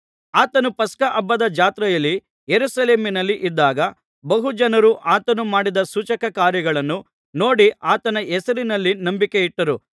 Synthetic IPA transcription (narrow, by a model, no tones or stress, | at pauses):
aːt̪ɐnupɐskɐʔɐbːɐd̪ɐd͡ʒaːt̪ɾɐjɐlːi | jeɾusɐle̞ːminɐlːiʔid̪ːaːɡɐ | bɐɦud͡ʒɐnɐɾuʔʔaːt̪ɐnumaːɽid̪ɐsuːt͡ʃɐkɐkaːɾjɐɡɐɭɐnːu | no̞ːɽiʔaːt̪ɐnɐɛsɐɾinɐlːinɐmbike̞iʈːɐɾu